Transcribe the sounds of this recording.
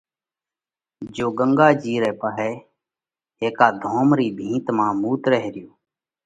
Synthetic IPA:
d͡ʒoːɡəŋɡaːd͡ʒiːɾɛːpəɦɛː | eːkaːd̪ʱoːmɾiːbʱĩːt̪mãːmuːt̪ɾəɦɾɪjoː

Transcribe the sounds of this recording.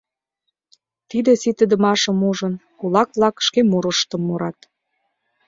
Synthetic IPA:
t̪id̪ĕsit̪ə̆d̪ə̆mɑʃə̆muʒə̆nkulɑk̚βlɑkʃkemuɾəʃt̪ə̆mːuɾɑt̪

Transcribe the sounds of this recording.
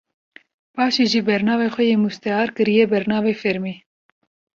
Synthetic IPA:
pɑːʃiːʒibɛɾnɑːveːxʷɛjeːmust̪ɛɑːɾkɨɾijɛbɛɾnɑːveːfɛɾmeː

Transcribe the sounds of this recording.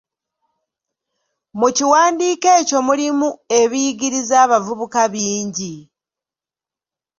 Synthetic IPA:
muciwaːndiːkeːco̞mulimue̞βiɡiɾizaːβavuβukaβiːɲɟi

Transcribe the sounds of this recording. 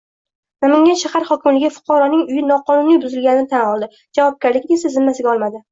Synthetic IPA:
namɪŋʲanʃahaɾhɒkʲɪmlɪɡʲɪfʊ̥qʰɒɾɒnɪŋʊjɪnɒqʰɒnʊnijbʊzɪlɡʲanɪnɪt̪ʰanɒlˠd̪ɪ | d͡ʒavɒp̚ɡʲaɾlɪkʲnɪsazɪnmːasɪɡʲaɒlˠmad̪ɪ

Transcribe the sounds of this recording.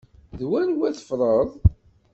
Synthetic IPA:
ðwænwæθə̥fɾˤəðˤ

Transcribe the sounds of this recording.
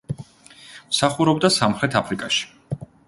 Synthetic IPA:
msaχuɾɔbd̪asamχɾɛt̪ʰapʰɾikʼaʃi̥

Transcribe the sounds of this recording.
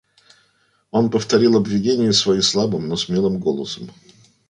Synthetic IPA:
o̞npəft̪ɐɾʲilˠɐbvʲɪdʲenʲɪjʊsvɐislˠabɨmnosmʲelˠɨmɡo̞lˠəsəm

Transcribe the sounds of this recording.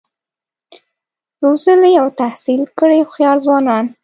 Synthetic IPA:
ɾozəlejawt̪ahsilkəɽexjɑɾzwɑnɑn

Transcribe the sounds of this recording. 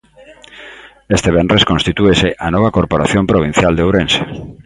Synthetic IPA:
est̪eβendreskõnst̪it̪ueseʔanɔβ̞akoɾpoɾa̰θjompɾoβ̞ĩn̟θjald̪eowɾense̥

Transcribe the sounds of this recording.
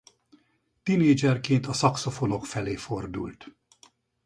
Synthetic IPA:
t̪ineːd͡ʒɛrkeːnt̪ɒsɒkso̞fo̞no̞kfɛleːfo̞rd̪ṵlt̪

